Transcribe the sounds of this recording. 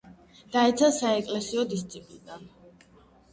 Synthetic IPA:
d̪̥aɛt̪sʰasaɛkʼlɛsiɔd̪ist̪sʰʼipʼlid̪an

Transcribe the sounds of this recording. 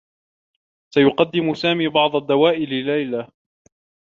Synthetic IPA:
sajʊqɑd̪ːɪmʊsaːmiːbɑʕd̪ˤad̪ːawaːʔɪlɪlːajla

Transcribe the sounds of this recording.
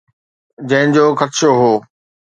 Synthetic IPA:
d͡ʑɐ̃ɦɪ̃d͡ʑoːxɐt̪ʃoɦoː

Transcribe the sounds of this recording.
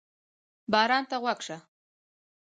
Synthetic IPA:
bɑɾɑnt̪aɣwakʂa

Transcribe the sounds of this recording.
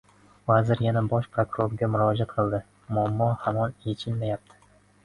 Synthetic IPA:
vazɪɾjanabɒʃpʰɾokuɾoɾɡʲamʊɾɒd͡ʒat̪qʰɨlˠd̪ɪ | mʊamːɒhamɒnjet͡ʃʰɪlmajap̚t̪ʰɪ̥

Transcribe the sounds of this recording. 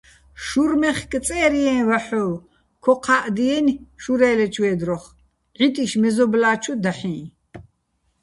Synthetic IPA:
ʃuɾmɛχkʼt͡sʼɛːɾiɛ̃ːvaħɔː | kʰɔqʰaʔd̪iɛnʃuɾɛːlɛt͡ʃʰwɛːd̪ɾɔχ | ʕit̪ʼiʃmɛzɔblaːt͡ʃʰud̪aħĩː

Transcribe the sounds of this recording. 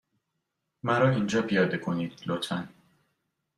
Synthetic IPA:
mæɾɒːiːnd͡ʒɒːpʰijɒːd̪ekʰoniːd̪̥lot̪ʰæn

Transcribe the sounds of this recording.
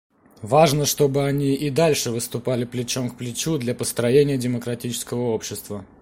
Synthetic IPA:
vaʐnəʂt̪o̞bɨɐnʲiʔɪd̪alʲʂɨvɨst̪ʊpalʲɪplʲɪt͡ɕo̞mkplʲɪt͡ɕud̪lʲapəst̪ɾɐjenʲɪjədʲɪməkɾɐtʲit͡ɕɪ̥skəvəo̞pɕːɪst̪və

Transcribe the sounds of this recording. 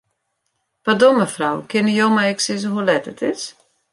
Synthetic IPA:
pardɔməfrawkʰɪnijowmaɛksɪzəɦulɛtətʰɪs

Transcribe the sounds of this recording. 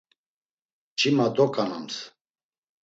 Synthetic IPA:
t͡ʃʰʼimad̪ɔkʼanams

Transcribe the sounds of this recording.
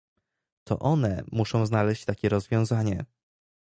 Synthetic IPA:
t̪ɔ̰ʔɔnɛmuʂɔ̃w̃znalɛɕt͡ɕt̪akʲɛɾɔzvʲjɔ̃w̃zaɲɛ

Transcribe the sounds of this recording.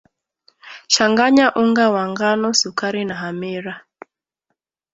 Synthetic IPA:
ʃaŋɡaɲaʔuŋɡawaŋɡanɔsukaɾinaɦamiɾa

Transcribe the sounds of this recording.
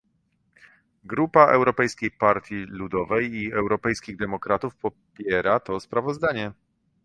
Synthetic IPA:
ɡɾupaʔɛwɾɔpɛjskʲejpaɾt̪ʲjilud̪ɔvɛjiɛwɾɔpɛjskʲiɣd̪ɛmɔkɾat̪ufpɔ | pʲjɛɾat̪ɔspɾavɔzd̪aɲɛ

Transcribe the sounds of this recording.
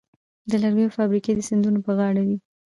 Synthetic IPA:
d̪əlaɾɡujofɑbɾiked̪əsɪnd̪unopəɣɑɽawi

